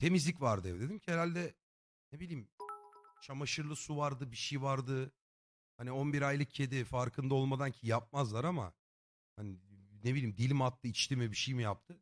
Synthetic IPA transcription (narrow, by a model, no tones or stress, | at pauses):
t̪ʰe̞mizlʲicvaɾd̪ɯɛvɛd̪e̞d̪imcʰieɾalʲd̪ɛ | nebilʲiːm | t͡ʃʰamaʃɯɾlˠɯsuvaɾd̪ɯbiʃejvaɾd̪ɯ | hanionbiɾajlˠɯkʰcʰe̞d̪ifaɾkʰɯnd̪ao̞lˠmad̪ancʰijap̚mazlˠaɾama̰ | haninebilʲiːmd̪ilʲmat̪ːɯit͡ʃt̪ʰimibiʃejmijap̚t̪ʰɯ